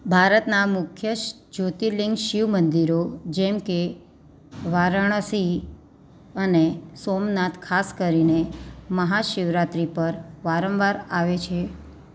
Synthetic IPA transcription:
bʱaɾət̪namʊkʰjəʃ | d͡ʒot̪iliŋɡʃiʋmənd̪iɾod͡ʒɛmke | ʋaɾəɳ̃əsi | ənesomnat̪kʰaskəɾineməɦaʃɪʋɾat̪ɾipəɾʋaɾəmʋaɾaʋet͡ʃʰe

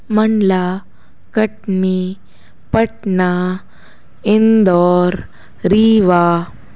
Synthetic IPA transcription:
mɐɳɖla | kɐʈ̚ni | pɐʈna | ind̪ɔːɾ | ɾiːʋa

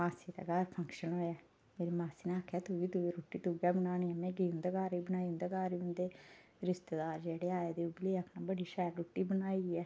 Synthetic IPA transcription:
maːsiːt̪ɛ̰ːɡaːɾpʰəŋkʃənɦoːjɛː | meːɾiːmaːsiːnãːəkʰɛːt̪ʊːʋiːt̪ueɾuːʈːiːt̪uːɡɛːbənaːñiɛːmɛ̃ːɡiːʊ̃nd̪aːɡaːɾiːbənaːiːʊ̃nd̪eːɡaːɾiʊ̃nd̪eː | ɾɪst̪eːd̪aːɾd͡ʒeːɽeːaːjeːd̪eːubleːəkʰnãːbəɽiːʃɛːɾɾoːʈːiːbənaːiːɡiɛː

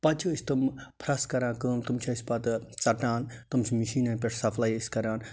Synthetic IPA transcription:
pɐt͡ʃʰɨːsʲt̪ɨmpʰɾɐskɐɾãːnkəːmt̪umt͡ʃʰɐsʲpɐt̪t͡sɐʈaːnt̪umt͡ʃʰimiʃiːnɐnpʲeʈʰsɐpʰlaːjəsʲkɐɾaːn

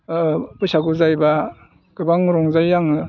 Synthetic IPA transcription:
busaɡuzajba | ɡ̥ɯbaŋɾɔŋzajaŋ

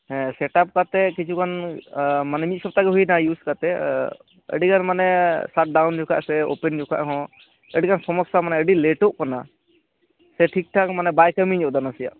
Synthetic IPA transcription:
hɛ̃sɛʈap̚kat̪ɛkit͡ʃʰukʰan | manɛmit̪̚sɔb̚t̪aɡɛɦujnajuskat̪ɛ | ə̰ɖikanmanɛsaʈ̚ɖawnd͡ʒɔkʰa̰ʔsɛo̰pɛnd͡ʒɔkʰa̰ʔɦɔ̃ | əɖikʰansɔmɔksamanɛəɖileʈoʔkana | sɛʈʰik̚ʈʰakmanɛbajkəmiɲd͡ʒɔd̪anasija̰ʔ

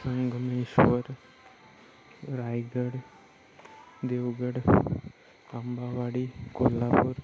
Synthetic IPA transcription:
səŋɡʱmeʃʋəɾ | ɾajɡəɽ | d̪eʋɡəɽ | ambaʋaɽikolːapuɾ

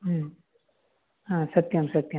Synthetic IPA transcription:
ɦm | ɦãsɐt̪jɐmsɐt̪jɐ

